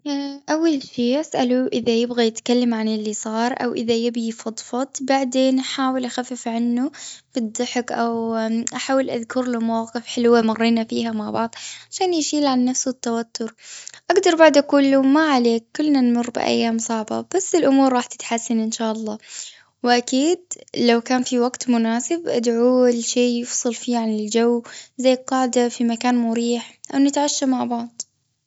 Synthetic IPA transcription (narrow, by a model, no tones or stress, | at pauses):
ʔawːalʃiːʔasʔaluʔɪðajɪbɣijɪt̪kalːamʕanɪlːisˤɑːɾˤʔa̰wʔɪ̰ðajɪbifɑd̪ˤfɑt̪ˤbaʕd̪eːnʔaħaːwɪlʔaxafːɪfʕanːub̥ɨd̪ˤːɨħɪkʔawʔaħaːwɪlʔa̰ðkʊɾlʊmawqɨfħɪlwamɑrˤːiːnafiːɦamaʕbɑʕðˤʕaʃaːnjɪʃiːlʕanːafsuɪt̪ːawat̪ʰːʊɾʔaɡd̪ɑɾˤbaʕd̪ʔakuːllumaʕaleːkːʊlːnanmʊrːbɪ̰ʔa̰jːaːmsˤɑʕba̰b̥asːɪlʔʊmuːɾˤɾˤɑːħt̪ɪ̥t̪ħasːanʔɪnʃaːʔɑlˤːɑː | wɪʔakiːd̪̚lawkaːnfiwaɡt̪mʊnaːsɪbʔad̪ʕualʃeːjɪfsˤɨlfiːʕanɪld͡ʒawzajːqɑːʕd̪afimakaːnmʊɾiːħʔawnɪt̪ʕaʃːamaʕbɑʕd̪ˤ